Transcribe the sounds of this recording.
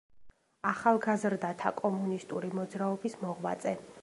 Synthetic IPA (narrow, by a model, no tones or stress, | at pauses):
aχalˠɡazɾd̪at̪ʰakʼɔmunist̪ʼuɾimɔd̪zɾaɔbismɔʁwa̰t̪sʼɛ